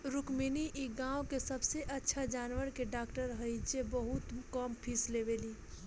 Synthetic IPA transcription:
ɾukminiʔiɡãokesəbseʔətːʃʰad͡ʒaːnʋəɾkeɖakʈəɾɦəjd͡ʒebəɦut̪kəmpʰislebeːli

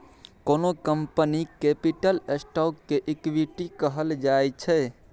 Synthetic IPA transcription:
konokəmpənikepiʈəlesʈɔkːeʔikʋiʈikəɦəld͡ʒaet͡ʃʰɛ

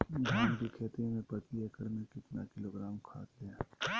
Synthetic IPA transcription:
jɦãːnbikʰeːt̪ĩmẽpɐt̪iɛːkəɾmẽkɪt̪na̰kɪloːɡɾaːmkʰa̰ːt̪leɛ̃ː

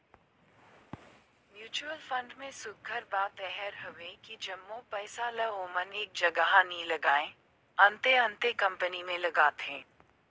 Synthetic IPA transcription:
mjuːt͡ʃuəlfɐ̃ɳɖmẽsʊɡ̚ɡʱəɾbaːt̪ɛɦɛɾɦɐʋekid͡ʒɐmːõpɛːsalɐoːməneːk̚d͡ʒɐɡaɦanĩlɐɡaːẽ | ɐ̃nt̪eɐ̃nt̪ekɐ̃mpənimẽlɐɡaːt̪ɦẽː

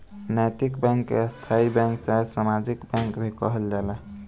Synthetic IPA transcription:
najt̪ikbɛ̃ŋkːḛst̪ʰaibɛ̃ŋkt͡ʃasamad͡ʒikbɛ̃ŋkbʱikəɦəld͡ʒala

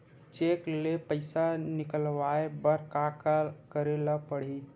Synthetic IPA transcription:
t͡ʃeklepəɪsanɪkəlʋaebəɾkakkəɾelapəɽ̤i

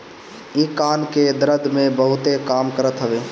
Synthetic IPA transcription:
ikanked̪ɾəd̪ʱmẽbəɦʊt̪ekamkəɾət̪ɦəbe

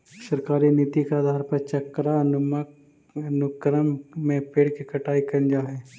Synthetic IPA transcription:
sɐɾkaːɾinit̪ikaːd̪ʱaːɾpɐɾt͡ʃɐkɾanʊm | nʊkɾəmmẽpeːɽkikɐʈaːikɐnd͡ʒaɦɛː

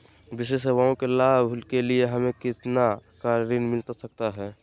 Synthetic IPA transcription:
bɪʃeseʋaõkelaːbʱʊlkelieɦɐmẽkɪt̪nakaːɾɾinmɪlt̪asəkt̪aɦɛː

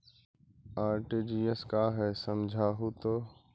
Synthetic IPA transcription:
aːɾʈeːd͡ʒiːeskaːɦɛːsəmd͡ʒʱaːɦut̪oː

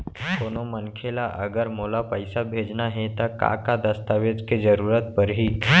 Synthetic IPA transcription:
koːnomənkʰelaʔɐɡəɾmoːlapəɪsabʱeːd͡ʒnaɦẽt̪aka̰kad̪əst̪aʋed͡ʒked͡ʒəɾuːɾət̪̚pəɾɦiː

